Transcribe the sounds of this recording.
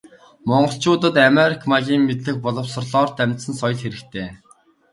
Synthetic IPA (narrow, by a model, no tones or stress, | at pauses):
mɔɴɢɞ̆ɬt͡ɕʊːt̪ə̆t̪ameɾikʰmaɣʲiːŋmet̪ɮɘ̆x̚pɔɮɞ̆wsə̆rɮɔːrt̪æmʲt̪sə̆nsɔj̆ɮxeɾɘ̆kt̪ʰeː